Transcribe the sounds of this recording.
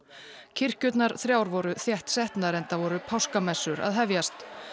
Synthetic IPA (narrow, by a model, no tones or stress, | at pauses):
cʰɪr̥cʏt̪naɾ̥θɾjaːwɾvɔɾʏθjɛht̪sɛht̪naɾɛnt̪avɔɾʏpʰawskamɛsːʏɾa̰ðɦɛvjast̪